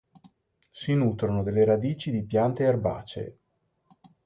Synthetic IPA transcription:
sinuːt̪ɾonod̪elːeɾad̪iːt͡ʃid̪ipjant̪eerba̰ːt͡ʃḛ

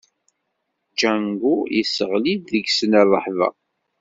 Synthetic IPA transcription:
d͡ʒæŋɡujḭsəʁlid̪ðəɡsənɑðˤːə̰ħðˤɑ̰

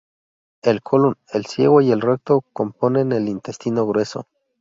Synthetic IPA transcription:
e̞lkʰolunelsje̞̰ɣoielrek̚t̪okompone̞nelint̪est̪inoɣɾwe̞so̰

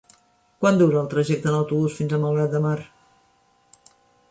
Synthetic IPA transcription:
kwand̪uɾəːlˠt̪ɾəʒɛk̚t̪ənəwt̪uβusfinzəlˠməlˠɣɾat̪̚d̪əmar

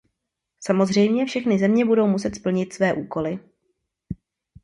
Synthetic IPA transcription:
samo̞zr̝ɛjmɲɛfʃɛxnɪzɛmɲɛbudo̞wmusɛt̪spl̩ɲɪt̪svɛːʔuːko̞lɪ

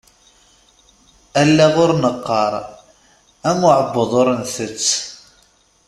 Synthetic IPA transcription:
ælːæʁʊɾnəqːɑɾˤ | æmʊʕəbːəðˤʊɾənθət͡sː

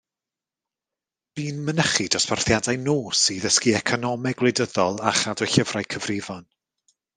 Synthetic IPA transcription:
b̥iːnmənəχidɔsparθjadajnoːsiðəskiɛkʰɔnɔmɛɡ̥lˠejdəðɔlˠaχadɔjɬəvrajkʰəvrɪvɔn

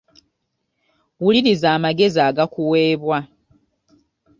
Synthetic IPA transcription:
wuliɾizaːmaɡe̞ziaːɡakuwe̞ːβwa

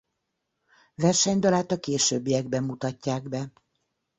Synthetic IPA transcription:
vɛrʃɛɲd̪ɒlaːt̪ɒkeːʃøːbːijɛɡ̚bɛmːut̪ɒcːaːɡbɛ

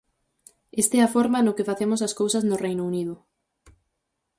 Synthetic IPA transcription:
est̪ɛafɔɾmɐnʊkɪfaθemʊs̬ɐskowsɐznʊrejnouniðʊ

